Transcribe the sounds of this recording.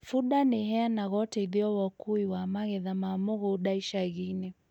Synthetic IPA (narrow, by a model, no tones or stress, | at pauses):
fuɗaniɦɛanaɣɔtɛiðiɔwakuiwamaɣɛðamamuɣuɗaiʃaɣinɛ